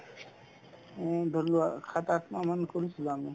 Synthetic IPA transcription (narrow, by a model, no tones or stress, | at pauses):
dʱɔluakʰat̪atmamankoɹisʰilami